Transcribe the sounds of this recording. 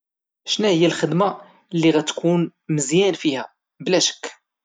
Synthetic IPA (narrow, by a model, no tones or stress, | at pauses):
ʃnæhəjːælxəd̪ma | lːiɣæt̪ːkunməzjænfihæ | blæʃə̥kː